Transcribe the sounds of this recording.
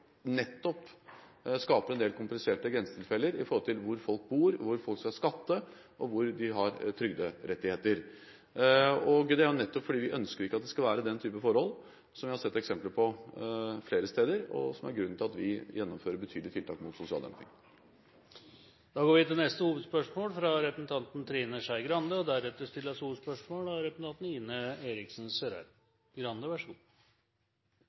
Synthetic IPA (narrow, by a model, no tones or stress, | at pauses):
nɛt̪ːɔp | skɑːpəɾɛnd̪eːlkʰʊmplɪseːʈəɡɾɛnsə̥t̪ʰɪlfɛlːəɾɪ̰fɔɾhɔlt̪ʰɪlʋʊɾfɔlk̚buːɾʋʊɾfɔlkskɑskɑt̪ːə | ʔɔʋʊɾd̪ɪɦɑɾt̪ʰɾʏɡd̪əɾʔɛt̪ːɪheːt̪əɾ | ɔɡd̪ɛæɾʊnɛt̪ːɔpfɔɖiːʋɪʔœnskəɾɪkːəɑt̪̚d̪ɛskɑʋæːɾəd̪ɛnt̪ʰyːpəfɔɾhɔlː | sɔmʋɪhɑɾsɛt̪ːɛksɛmpləɾpʰɔ | fleːɾəst̪eːd̪əɾɔ̰sɔmæ̰ɾɡɾʉnːt̪ʰɪlɑt̪ʋɪjɛnːɔmføːɾəbət̪ʰyːd̪lɪt̪ɪlt̪ʰɑːkmʊt̪sʊsɪɑ̰ld̪ɛ̰mpɪ̰ŋ | d̪̥ɑːɡoːɾʋɪt̪ʰɪlnɛst̪əhuːʋəd̪spœʂmoːlfɾɑɾɛpɾəsn̩t̪ʰɑnt̪nt̪ʰɾiːnəʂæɪɡɾɑnd̪əɔd̪æɾɛt̪ːəst̪ɪləəshuːʋəd̪spœʂmoːlɑɾɛpəsn̩t̪ɑnt̪n̩iːnəeːɾɪksn̩seːɾæ̰ɾ | ɡɾɑnd̪əʋæʂu